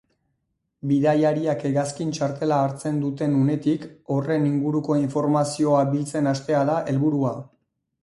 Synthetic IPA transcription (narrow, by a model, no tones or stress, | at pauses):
biðajaɾiakeɣaskint͡ʃaɾt̪e̞laːɾt͡se̞nd̪ut̪e̞nune̞t̪iko̞re̞niŋɡuɾuko̞iɱfo̞ɾmasio̞abilt͡se̞nast̪e̞aðaʔe̞lβuɾua